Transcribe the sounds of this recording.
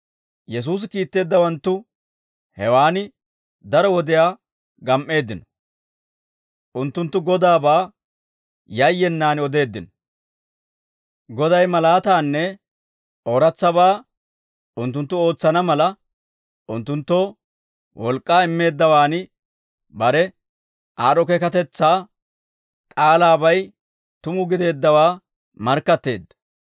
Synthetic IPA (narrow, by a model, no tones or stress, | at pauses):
jɛs̬uːs̬ɪkiːt̪ːe̞ːd̪ːɐwɐnt̪ːʊ | hɛwaːnɪ | d̪ɐɾɔwɔd̪ɪjaː | ɡɐmʔe̞ːd̪ːɪnɔ̥ | ʔʊnt̪ːʊnt̪ːʊɡɔd̪aːbaː | jɐjːɛnːaːnɔd̪e̞ːd̪ːɪnɔ | ɡɔd̪ɐjmɐlaːt̪aːnːɛ | oɾɐt͡sːɐbaː | ʔʊnt̪ːʊnt̪ːʊo̞ːt͡sːɐnɐmɐlɐ | ʔʊnt̪ːʊnt̪ːɔ | wʔɔlkʼːaːɪmːe̞ːd̪ːɐwaːnɪ | bɐɾɛ | ʔaːɾɔkɛkɐt̪ɛt͡sːaː | kʼaːlaːbɐj | t̪ʊmʊɡɪd̪e̞ːd̪ːɐwaː | mɐɾkːɐt̪ːe̞ːd̪ːɐ̥